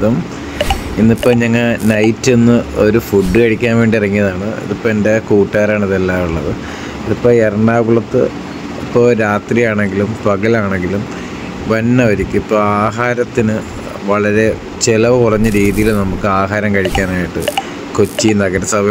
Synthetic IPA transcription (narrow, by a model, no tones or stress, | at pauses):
ðɐm | inːipːo̞ːɲɐŋːɐɭnɐjtːenːɨo̞ɾufuɖːɨkɐɻikʲːaːnʋe̞ːɳɖirɐŋːijɐðaːɳɨḭðipːoːende̞kuːʈːaːɾaːɳiðelːaːuɭːɐðɨ | iðipːoːɭerɐɳɖaːɡuɭɐt̪ːɨ̰ | ipːo̞ːɾaːt̪rijaːɳe̞ŋɡilumpɐɣɐlaːɳeŋɡilum | ʋɐnːɐoɾikʲːɨipːoːaːɦaːɾɐt̪ːinɨ | ʋɐɭɐɾe̞ | t͡ɕelɐʋɨkurɐɲːɐɾiːðijilnɐmukːɨaːɦaːɾɐmkɐɻikʲːaːnaːjiʈːɨ̰ | kot͡ɕːinɐɣɐɾɐsɐbʱɐ